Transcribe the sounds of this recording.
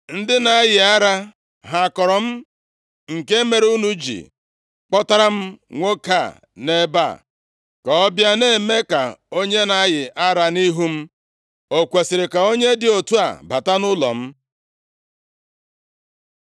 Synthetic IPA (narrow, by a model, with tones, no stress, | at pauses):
n̩˦dɪ˦na˨a˦jɪ˨a˦ɾa˦ | ɦa˨kɔ˨ɾɔ˨m̩˦ | ŋ̩˨ke˦me˨ɾu˦nu˦d͡ʒḭ˨ | k͡pɔ˦ta˦ɾa˦m̩˦ŋʷo˦ka˦˨ | ne˦ba̰˦˨ | ka˨ɔ˦bja˦ne˦˨me˦ka˨o˦ɲe˦na˦ɣɪ˨ʔa˦ɾa˨ni˦ɦu˦m̩˦ | o˨kʷe˨sɪ˨ɾɪ˨ka˨o˦ɲe˦dɪ˨o˨tu˦a̰˨ba˨ta˦nʊ˦lɔ̰˨m̩˦